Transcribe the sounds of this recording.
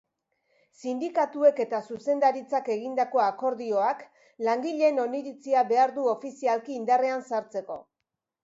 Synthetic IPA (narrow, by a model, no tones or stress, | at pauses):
sind̪ikat̪ue̞ke̞t̪asuse̞nd̪aɾit͡sake̞ɣ̞ind̪ako̞ako̞ɾðio̞ak | laŋɡiʎe̞ːno̞niɾit͡siaβe̞aɾðuo̞fisialkiːnd̪areansaɾt͡se̞ko̞̰